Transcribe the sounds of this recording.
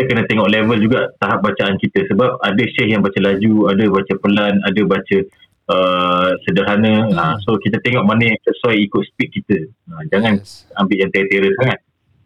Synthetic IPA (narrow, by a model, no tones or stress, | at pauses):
iəkənə̃t̪eŋɔʔlevəld͡ʒuɡaʔt̪aɦap̚bat͡ʃaankit̪əsəbap̚adəʃɛhjaŋbat͡ʃəlad͡ʒuadəbat͡ʃəpəlanadəbat͡ʃə | əsədaɾɦanə̃asokit̪ət̪eŋɔʔ̚manə̃səsuwajikʊt̪̚spik̪̚kit̪ə | ad͡ʒaŋanambɪʔjaŋt̪et̪eɾəsaŋat̪̚